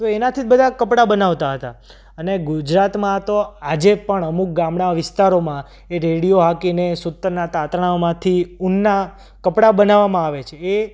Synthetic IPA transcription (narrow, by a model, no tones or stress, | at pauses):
t̪oenat̪ʰibəd̪ʱakəpɽabənaʋt̪aɦət̪a | əneɡʊd͡ʒɾat̪mãt̪oad͡ʒepəɳəmuk̚ɡamɳaʋɪst̪aɾomã | eɾeɽijoɦakinesʊt̪ːəɾnat̪at̪ɳãomãt̪ʰiunːa | kəpɽabənaʋamãaʋet͡ʃʰeː